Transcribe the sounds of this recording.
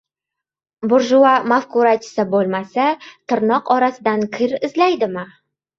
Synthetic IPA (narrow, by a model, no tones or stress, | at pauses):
bʊɾʒʊamafkuɾat͡ʃʰɪ̥sabolˠmasat̪ʰɪɾnɒqɒɾasɪd̪ankʲʰɪɾɪzlajd̪ɪmɪ